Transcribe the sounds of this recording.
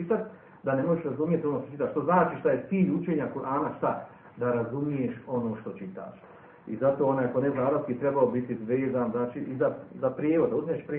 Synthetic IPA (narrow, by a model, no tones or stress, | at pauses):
it̪at̪ | d̪ane̞moʒeʃɾazumijet̪io̞noʃt̪ot͡ʃit̪aːʃt̪o̞znaːt͡ʃiʃt̪aje̞t̪siːʎut͡ʃeːɲakuɾʔaːnaʃt̪a | d̪aɾazumijeːʃo̞noːʃt̪o̞t͡ʃit̪a̰ːʃ | izat̪oːonaːjakoneznaːɾaskit̪ɾebaobit̪izʋeːzaːnznaːt͡ʃiːʔizazapɾjeːʋod̪d̪auzmieːʃpɾ